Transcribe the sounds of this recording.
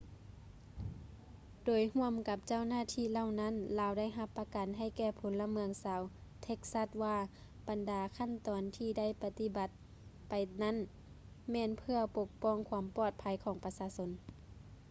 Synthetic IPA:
doː˨jhu˧˥˨əmka˧˦p̚t͡ɕa˧˥˨wnaː˧˥˨t̪ʰiː˧˥˨la˧˨wna˧˥˨nlaː˨˧˦wda˥˩˨jɦa˧pːa˧ka˨nɦa˧˩jkɛː˧˩pʰo˨˦nla˧mɯ˧əŋsaː˨˧˦wt̪ʰe˧˥k̚sa˧˥t̪̚waː˧ | b̥a˨ndaː˨˦kʰa˧˥˨nt̪ɔː˨nt̪ʰiː˧da˥˩˨jpa˧t̪i˧˩ba˧˦t̪̚ | pa˨jna˥˨n | mɛː˧˥˨npʰɯ˧əpo˧k̚pɔː˧˥˨ŋkʰwaː˧˦mpɔː˧˩t̪̚pʰa˧˦jkʰɔː˩˦ŋpa˧saː˧so˧˦n

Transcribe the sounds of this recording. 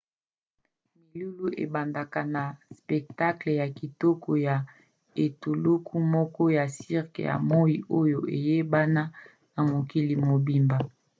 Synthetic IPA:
mi˨lu˦lu˦ḛ˨ba˨nda˨ka˨na˨spɛ˨k̚ta˦kle˨ja˨ki˨to˦kʰo˨ja˨ | e˨tu˨lu˦kʰu˦mɔ˦kɔ˦ja˨si˦ʁkḛ˨ja̰˨mo˦i˨ʔo˦jo˨ʔe˨je˦ba˦na˦ | na˨mo˨ki˦li˨mo˨bi˦mba˨

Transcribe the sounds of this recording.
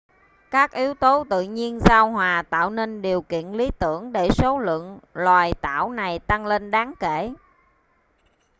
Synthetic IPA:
kaː˦˥k̚ʔi˨˦əwt̪o˨˦t̪ɨ̰˧˨ɲi˧ənzaː˧wɦwaː˨˩t̪a̰ː˧˨wne˧nɗi˨˩əwkḭ˧˨ənli˨˦t̪ɨ˧˩əŋɗe˧˩so˨˦lə̰˧˨əŋlwaː˨˩jt̪a̰ː˧˩wna˨˩jt̪a˧ŋle˧nɗaː˨˦ŋkḛ˧˩˨

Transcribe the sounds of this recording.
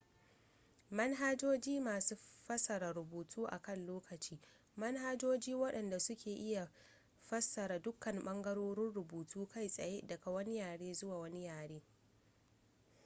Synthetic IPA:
mɐ˦nɦa˦d͡ʒoː˦d͡ʒiː˦maː˨suː˦ɸɐ˦sɐ˨ɾa˨ɾʊ˨buː˨tʰuː˦ʔa̰˨kɐ˦˨nloː˦kɐ˨t͡ʃiː˦ | mɐ˦nɦa˦d͡ʒoː˦d͡ʒiː˦wɐ˦ɗɐ˨nda˨sʊ˦kʲʰeː˨ʔɪ˦ja˨ | ɸɐ˦sːɐ˨ɾa˨dʊ˦kːɐ˨mɓɐ˦ŋɡɐ˦ɾoː˦ɾɪ˦nɽʊ˨buː˨tʰuː˦kʰa˦˨jsʼɐ˨je˦dɐ˨ka˨wɐ˦ni˦jaː˨ɽeː˦zʊ˦waː˨wɐ˦ni˦jaː˨ɽeː˦

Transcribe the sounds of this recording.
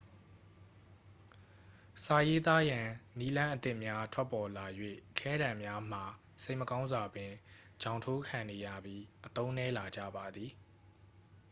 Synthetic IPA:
sa˨je˦t̪a˦jã˨ni˦lã˦ʔət̪ɪ˦ʔmja˦tʰwɛ˦pːɔ˨la˨jwḛ˦˨ʔəkʰɛ˦ɾã˨mja˦m̥a˨ | se˦ɪʔməkã˦ʊ̃nza˨bɪ̃˨ | d͡ʑã˨ʊ̃ntʰo˦kʰã˨ne˨jä̰˦˨bji˦ʔət̪õ˦ʊ̃nɛ˦la˨d͡ʑä̰˦˨ba˨d̪ði˨

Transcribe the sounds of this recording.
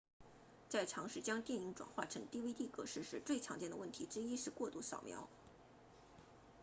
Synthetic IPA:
t͡sa˥˩ɪʈ͡ʂʰɑ˧˥ŋʂɻ̩˥˩t͡ɕjɑ˥ŋt̪jɛ˥˩ni˧˥ŋʈ͡ʂwa̰˨˩nxwa̰˥˩ʈ͡ʂʰɤ˧˥ŋt̪i˥˧wi˥t̪i˥˩kɤ̰˧˥ʂɻ̩˥˧ʂɻ̩˥˧t͡swe˥˩ɪʈ͡ʂʰɑ˧˥ŋt͡ɕjɛ˥˩nd̪ə˧wə˥˩nt̪ʰi˧˥ʈ͡ʂɻ̩˥i˥ʂɻ̩˥˧kwɔ˥˧t̪u˥˩sɑ˨˩ʊmjɑ̰˧˥ʊ

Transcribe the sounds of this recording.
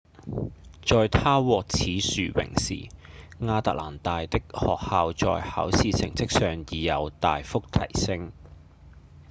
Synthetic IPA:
t͡sɔː˨jt̪ʰaː˥wɔː˨k̚t͡sʰiː˨˥syː˨˩wɪ̰˨˩ŋsḭː˨ŋaː˧t̪a̰ː˨k̚la̰ː˨˩nt̪aː˨jt̪ɪ˥k̚hɔ̰ː˨k̚haː˨wt͡sɔ̰ː˨jhɐ̰˨˥wsiː˨sɪ̰˨˩ŋt͡sɪ˥k̚sœː˨ŋjiː˨˩jɐ˨˧wt̪aː˨jfʊ˥k̚t̪ʰɐ˨˩jsɪ˥ŋ

